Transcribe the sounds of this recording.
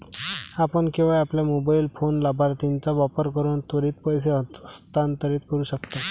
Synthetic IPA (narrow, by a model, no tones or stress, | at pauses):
apəɳkĩw̃ʋajapljamobailfonlabʱaɾt̪int͡saʋapəɾkəɾuːnt̪əɾiːt̪pəjs̬eɦst̪ant̪əɾiːt̪kəɾuːɕəkt̪a